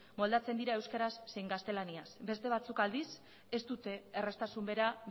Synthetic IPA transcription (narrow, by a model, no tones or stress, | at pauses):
mo̞ld̪at͡se̞nd̪iɾae̞wskaɾasːe̞jŋɡast̪e̞laniasbe̞st̪e̞β̞at͡sukald̪is | e̞st̪ut̪e̞ːre̞st̪asumbe̞ɾa